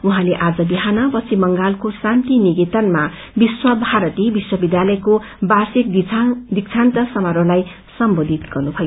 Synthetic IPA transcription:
uɦãleʔad͡zʌbiɦanʌpʌt͡sʰimʌŋɡalkosãnt̪iniɡit̪ʌnma | biswʌbʱaɾʌt̪ibiswʌbid̪jalʌjko | basik̚d̪ik̚t͡sʰant̪ʌsʌmaɾolaj | sʌmbod̪ʱit̪ɡ̥ʌrnupʰʌjo

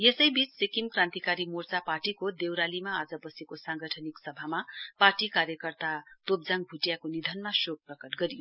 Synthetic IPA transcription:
jesʌjbit͡ssekimkrãnt̪ikaɾimort͡saparʈikod̪ewɾalimaːd͡zʌbʌsekosãŋɡʌʈʰʌniksʌbʱamaparʈikaɾjʌkʌrt̪at̪op̚d͡zaŋɡ̚bʱuʈjakonid̪ʱʌnmasok̚prʌkʌʈɡʌɾijo

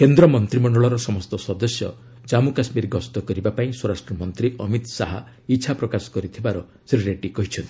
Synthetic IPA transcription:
kend̪ɾɔmɔnt̪ɾimɔɳɖɔɭɔɾɔsɔmɔst̪ɔsɔd̪ɔsjɔ̰ | d͡ʒamukasmiɾɡɔst̪ɔkɔɾibapaĩswɔɾasʈɾɔmɔnt̪ɾiʔɔmit̪saɦa | iːt͡ʃʰapɾɔkasɔ̥kɔɾit̪ʰibaɾɔ | sɾiɾeʈikɔɦit͡ʃʰɔnt̪i̥

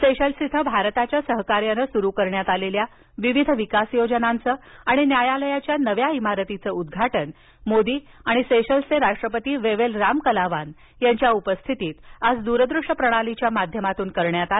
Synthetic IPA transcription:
seɕəlsit̪ʰəbʱaɾt̪at͡ɕjasəɦkaɾjanəsuɾukəɾɳjat̪alelja | ʋiʋid̪ʱəʋikasjod͡ʑənant͡səːaɽ̃injajaləjat͡ɕjanəʋjaimaɾət̪it͡səud̪ɡʱaʈən | mod̪iːaɽ̃iseɕəlseɾaʂʈɾəpət̪iːʋeʋelɾamkəlaʋan | jaɲt͡ɕjaupəst̪ʰit̪iːt̪ad͡zd̪uɾəd̪ɾuʂʈəpɾəɽ̃alit͡ɕjamad̪ʱjəmat̪uːnkəɾɳjat̪al

